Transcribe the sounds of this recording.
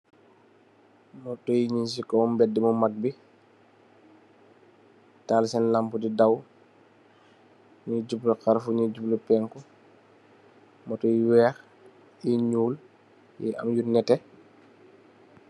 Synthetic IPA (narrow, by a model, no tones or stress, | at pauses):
mɔtɔjiɲins̬ikɔmbɛdːimumaɡ̚bi | taːlsɛnlampudidaw | ɲiɟublukaɾfuɲiɟuplupɛŋkɔ | mɔtɔjiwɛːx | iɲuːl | jɛ̰ʔa̰mjunɛtɛ